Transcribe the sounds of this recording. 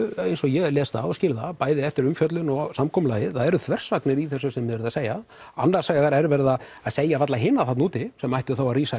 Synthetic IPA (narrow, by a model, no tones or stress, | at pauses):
ejnsɔjɛlɛːst̪ða̰ɔscɪːlðapaːjðɪɛft̪ɪɾʏmfjœt̪lʏnɔɣsamkʰɔmʏlaːjɪθaðɛɾʏθʰvɛr̥svaknɪɾiθɛsʏsɛmːɪðvɛɾðaseːja | a̰nːasajaɣaɾɛɾvɛɾðaaðseːjavat̪laɦɪnːaθat̪nuːt̪ɪsɛmajht̪ʏθawaðriːsa